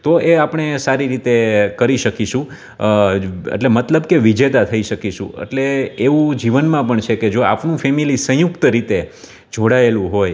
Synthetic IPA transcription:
t̪oeapɳesaɾiɾit̪ekəɾiʃəkiʃũ | ḛʈlemət̪ləbkeʋid͡ʒet̪at̪ʰəiʃəkiʃṵ̃ḛʈleːʋũd͡ʒiʋənmãpəɳt͡ʃʰeked͡ʒoa̰pnũfɛmilisə̃jukt̪əɾit̪e | d͡ʒoɽaelũɦoj

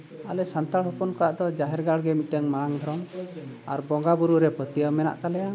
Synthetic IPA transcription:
alɛsant̪aɭhɔpunkɔaʔd̪ɔd͡ʒaɦɛɾɡaɽɡɛmiʈəŋmaaŋd̪ʱɔɾɔma̰ɾbɔŋɡabuɾuʔɾɛpət̪ijəmɛna̰ʔt̪alɛja

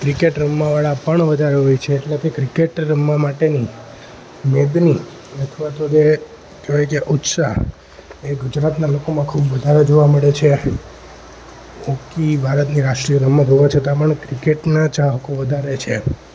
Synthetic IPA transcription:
kɾikeʈɾəmːaʋaɭapəɳʋəd̪ʱaɾeɦojt͡ʃʰeːʈlekekɾikeʈɾəmːamaʈeni | med̪ni | ət̪ʰʋat̪od͡ʒe | d͡ʒoʋajkeʔut̪sa̰ | eɡud͡ʒɾat̪nalokomãkʰubʋəd̪ʱaɾed͡ʒoʋaməɭet͡ʃʰe | okibʱaɾət̪niɾaʂʈɾijəɾəmːãd͡ʒ̪ʱoʋat͡ʃʰət̪apəɳkɾikeʈnat͡ʃaɦəkoʋəd̪ʱaɾet͡ʃʰe

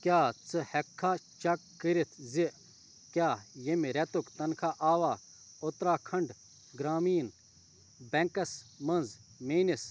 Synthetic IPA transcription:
kjaːt͡sɨhɛkʰːat͡ʃɐkːiɾit̪ʰziʔ | kʲjaːjemiɾɛt̪ukt̪ɐnkʰaʔaːʋaː | ot̪ɾaːkʰɐɳɖ | ɡɾaːmiːn | bɛŋkɐsmɐnd͡z | meːnis

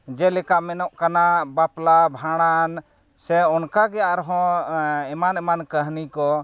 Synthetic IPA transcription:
d͡ʒɛlɛkaʔmɛnɔʔkanabaplabʱãɽ̃an | sɛɔnkaɡɛaʔɾɦɔ̃ɛmanɛmankəɦnikɔ

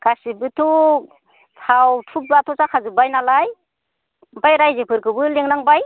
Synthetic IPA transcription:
kasibɯtʰu | tʰawtʰup̚batʰɔsakʰazɯbajnalaj | bajɾajzepʰɯɾkʰɯbɯleŋnaŋbaj

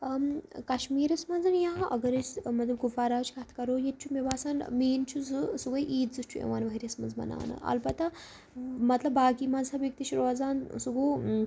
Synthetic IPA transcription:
kɐʃmiːɾɐsmɐd͡zɨnjãːɐ̰ɡɐɾesmɐt̪lɐb̚kufaːɾaːt͡ʃkat̪ʰkɐɾoːjet̪̚t͡ʃʰumebaːsaːnmiːnt͡ʃʰuzɨsuɡɐjʔiːt̪zɨt͡ʃʰuḛʋaːnʋɐɦiɾiɐsmɐnd͡zbɐ̰na̰ːnɨ̰ʔɐ̰lbɐt̪a | mɐt̪lɐbːaːkimazaʋjik̚t̪iʃɾoːd͡zaːnsuɡuː

